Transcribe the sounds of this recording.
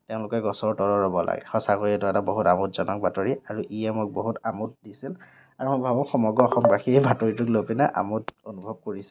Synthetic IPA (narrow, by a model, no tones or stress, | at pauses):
teʊ̃lʊkɛɡɔsɔɹtɔɹɔɹɔbɔlʔa̰ɡɛ̰xɔsakoɹiɛtɔɛtaboɦutamutz̥ɔnɔk̚bʱatoɹiaɹuʔijɛmok̚boɦutamut̚disil | aɹumojbʱabɔxɔmɔɡɔːxɔmbaxibʱatoɹitʊklopinɛʔa̰mutonubʱɔb̚koɹisɛ̥